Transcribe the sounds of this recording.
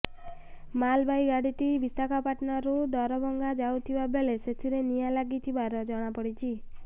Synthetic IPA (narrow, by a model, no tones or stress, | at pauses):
malbajɡaɽit̪ibist̪akapaʈnɔɾud̪ɔɾɔbɔŋɡad͡ʒawt̪ʰibabeleset̪ʰiɾenijalaɡit̪ʰibaɾɔd͡ʒɔɽ̃apɔɽit͡ʃʰi